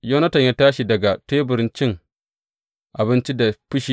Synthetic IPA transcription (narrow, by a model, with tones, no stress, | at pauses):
jo˦nɐ˦tɐ˨ɲjaː˦taː˦ʃi˨dɐ˨ɡa˨teː˦bɪ˨ɾɪ˦nt͡ʃɪ˦ŋ | ʔa˨bɪ˦nt͡ʃi˦da˨ɸɪ˦ʃi˦